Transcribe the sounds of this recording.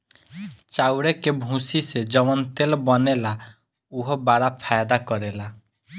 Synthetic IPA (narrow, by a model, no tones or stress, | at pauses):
t͡ʃawɽekebʱũsised͡ʒɔwɔnt̪elbɔnela | uɦɔbaɽapʰajd̪akɔɾela